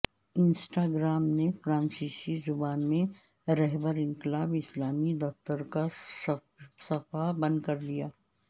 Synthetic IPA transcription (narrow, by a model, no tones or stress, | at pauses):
ɪnsʈaːɡɾaːmnefɾãːnsiːsizʊbaːnmẽ | ɾɛɦbəɾɪ̃ŋkɪlaːbɪslaːmid̪ɐft̪əɾka | sɐfabɐ̃nd̪kɐɾd̪ijaː